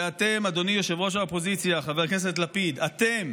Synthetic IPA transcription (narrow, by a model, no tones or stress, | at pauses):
at̪e̞mad̪o̞nijoʃevʁo̞ʃ̬aopo̞zit͡sjaχaveʁknes̬etlapid̪at̪e̞m